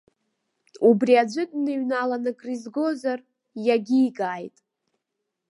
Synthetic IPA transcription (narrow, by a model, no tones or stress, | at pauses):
ubriad͡ʒʷɨdʼnɨɥnalanɨkʼrizɡo̞zar | jaɡʲiːɡaːjtʼ